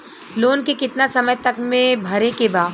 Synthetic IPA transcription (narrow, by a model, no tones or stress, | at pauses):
loːnkekɪt̪nasɐməjt̪ɐkmẽbʱɐɾekebaː